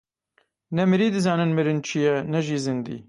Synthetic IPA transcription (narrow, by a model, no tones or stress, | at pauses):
nɛmɨɾiːd̪ɨzɑːnɨnmɨɾɨnt͡ʃʰijɛnɛʒiːzɨnd̪ḭː